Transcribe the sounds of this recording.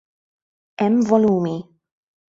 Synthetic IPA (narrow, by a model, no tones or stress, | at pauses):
ɛmvɔluːmi